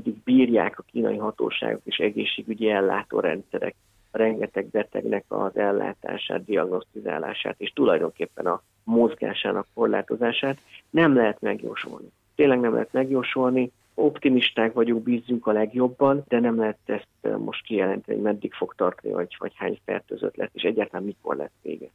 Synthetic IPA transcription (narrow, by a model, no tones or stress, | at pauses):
ɛd̪ːiɡ̚biːrja̰ːkɒkiːnɒ̰jiɦɒt̪o̰ːʃa̰ːɡo̞̰keːʃɛɡeːʃːeːɡyɟiɛlːa̰ːt̪o̰ːɾɛ̰nt̪sɛɾɛ̰k̚ | ɾɛŋɡɛt̪ɛɡ̚bɛt̪ɛ̰ɡnɛkɒ̰zɛlːa̰ːt̪a̰ːʃa̰ːd̪d̪iɒɡno̞st̪iza̰ːla̰ːʃa̰ːt̪eːʃt̪ulɒjd̪o̞ŋkeːpːɛnɒ | mo̞zɡa̰ːʃaːnɒkːo̞rla̰ːt̪o̞zaːʃaːt̪nɛmlɛɦɛt̪mɛɡjo̰ːʃṵlni | t̪eːnlɛɡnɛmlʔɛ̰ɦɛt̪mɛɡjoːʃulni | o̞pt̪imiʃt̪aːkvɒɟuŋɡbiːzːyŋkɒlɛɡjo̞bːɒnd̪ɛnɛmlɛɦɛt̪ɛst̪mo̞ʃt̪kijɛlɛnt̪ɛnḭhoɟmɛd̪ːikfo̞kt̪ɒrt̪ɒnḭvɒɟvɒ̰chaːɲfɛ̰rt̪øːzø̰t̪lɛsːeːʃɛɟːaːrt̪ɒlamiko̞̰rlɛ̰sʋḛːɡɛ